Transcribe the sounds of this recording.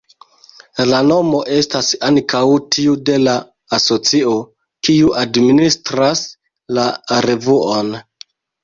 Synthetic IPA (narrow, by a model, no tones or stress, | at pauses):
lano̞mo̞ʔe̞stasaŋkʰawtʰiude̞laː | so̞t͡sio̞ | kiuʔadministɾas | laɾevuo̞n